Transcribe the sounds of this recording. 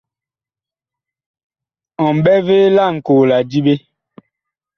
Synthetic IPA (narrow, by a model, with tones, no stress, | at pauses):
ɔ˨m˨bɛ˦ve˦la˦˨ŋ̩˨koː˨la˨d͡ʒi˦be˦